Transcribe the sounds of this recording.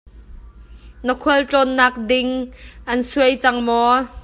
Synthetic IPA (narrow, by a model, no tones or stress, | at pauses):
nəkʰuəlt͡ɬɔnːaːk̚dɪŋʔɐnsuəjt͡sɐŋmɔ